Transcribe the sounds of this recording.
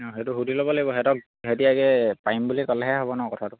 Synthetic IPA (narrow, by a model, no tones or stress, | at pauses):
ɔɦetuɦudʱilɔbɔlaɡibɔɦɛtɔk̚ | ɦetiaɡɛpaimbulikɔlɛɦɛɦɔbɔnɔkɔtʰatʊ